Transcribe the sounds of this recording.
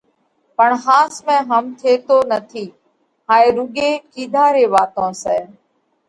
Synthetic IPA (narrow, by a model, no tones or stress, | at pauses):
pəɳɦaːsmɛ̃ːɦəmt̪ʰeːt̪oːnət̪ʰiː | ɦaːeːɾʊɠeːkiːd̪ʱaːɾeːʋaːt̪õːsɛː